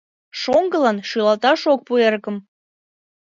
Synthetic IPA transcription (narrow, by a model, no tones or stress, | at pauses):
ʃoŋɡəlɑnʃylɑt̪ɑʃok̚puerkə̆m